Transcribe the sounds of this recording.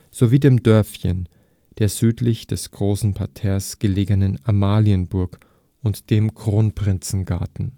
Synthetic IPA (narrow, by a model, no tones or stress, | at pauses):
z̥oviːdeːmdœɐfçən | d̥eːɐzyːtʰlɪçd̥ɛsɡ̥ʁoːsn̩pʰaɐtʰɛːɐsɡ̥əleːɡənənamaːliənbʊɐk | ʊntd̥eːmkʁ̥oːnpʁ̥ɪnt͡sn̩ɡaɐtn̩